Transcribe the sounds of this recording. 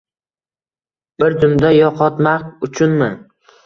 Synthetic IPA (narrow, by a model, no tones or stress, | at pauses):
b̥ɪɾd͡ʒ̪ʊmd̪ajɒqʰɒt̪maqʊt͡ʃʰʊnmɪ